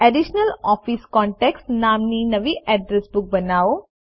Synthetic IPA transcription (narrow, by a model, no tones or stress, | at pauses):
ɛɖiʃnəlɔːfiskɔːɳʈeksʈnãːmninɐʋiʔɛɖɾesbʊk̚bɐnaːo